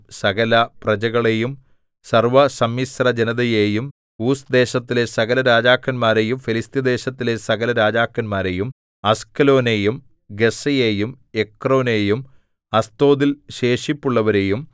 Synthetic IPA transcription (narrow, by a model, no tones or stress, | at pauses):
sɐɣɐlɐprɐd͡ʑɐɣɐɭejum | sɐrʋɐsɐmjisrɐd͡ʑenɐðɐjeːjum | uːsd̪e̞ːɕɐt̪ːilesɐɣɐlɐɾaːd͡ʑaːkːɐnmaːɾejumfilist̪jɐd̪e̞ːɕɐt̪ːile̞sɐɣɐlɐɾaːd͡ʑaːkːɐnmaːɾe̞jum | ɐskɐlo̞ːnejum | ɡe̞sɐjeːjum | ekro̞ːneːjum | ɐst̪o̞ːd̪ilɕe̞ːʂipːuɭːɐʋɐɾe̞ːjum